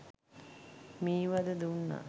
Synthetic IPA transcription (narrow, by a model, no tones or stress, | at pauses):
miːʋad̪əd̪unːa̰